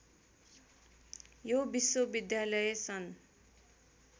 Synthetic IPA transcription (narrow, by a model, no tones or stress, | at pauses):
jobiswobid̪jalʌjesʰʌn